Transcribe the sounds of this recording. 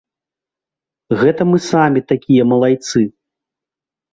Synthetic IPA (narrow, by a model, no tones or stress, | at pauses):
ɣɛt̪ɐmɨsamʲit̪akʲijɐmɐlˠajt̪sɨ